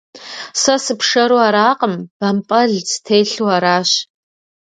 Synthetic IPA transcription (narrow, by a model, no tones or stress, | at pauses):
sɐsɨpʰʂɐɾuaɾaːqʼəmb̥ɐmpʼɐɮt͡stʰejɬuaɾaːɕ